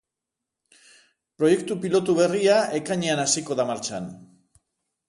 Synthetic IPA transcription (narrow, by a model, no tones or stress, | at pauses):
pɾo̞je̞k̚t̪upilo̞t̪uβe̞riaʔe̞kaɲeanasiko̞ðamaɾt͡ʃa̰n